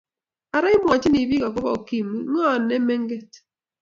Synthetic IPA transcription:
a˨ɾa˦ɪ˦m˨ɔ˨t͡ʃɪ˦ni˨bi˦ka˨k̬ʊ˦ba˦o˨ki˦mi˨˦ŋɔ˦˨nːɛ˦me˦ŋɡe˦t

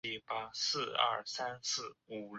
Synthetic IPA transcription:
i˥˩pa˥sɹ̩˥˧ɐ̰˥˩sa˥nsɹ̩˥˩u˨˩l

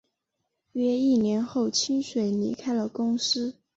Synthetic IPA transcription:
ɥɛ˥i˥˩njɛ˧˥nxo˥˩ʊt͡ɕʰi˥nʂwe˨˧˩ɪlḭ˧˥kʰa˥ɪlə˨kʊ˥ŋsɹ̩˥

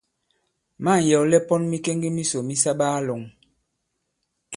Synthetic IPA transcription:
ma˦˨n˨jɔ˨lɛ˦pɔ˦nmi˦ke˦ŋɡi˦mi˦so˨mi˦sa˦ɓaː˦lo˨ŋ

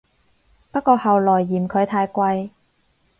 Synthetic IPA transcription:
pɐ˥t̚kːɔː˧hɐ˨˩wlɔː˨˩jːiː˨˩mkʰɵ˨˧ɥt̪ʰaː˧jkʷɐ˧j

